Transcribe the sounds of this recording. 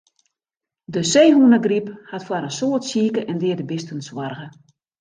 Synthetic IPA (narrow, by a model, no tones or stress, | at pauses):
dəseːɦunəɡriphatfwaɾənsoətsiːkəʔɛndɪərdəbɪstənswarɣə